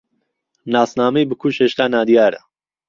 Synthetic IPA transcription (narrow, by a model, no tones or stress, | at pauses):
naːsnaːmejbɨkʰuːʃheːʃt̪aːnaːd̪ijaːɾa̰